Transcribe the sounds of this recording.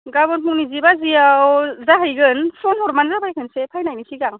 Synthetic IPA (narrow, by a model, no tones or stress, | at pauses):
ɡabɔnpʰuŋnizibaziawzaɦajɡɯnsʰɔnhɔɾmanzabʰajkʰɯnsepʰajnajmisiɡaŋ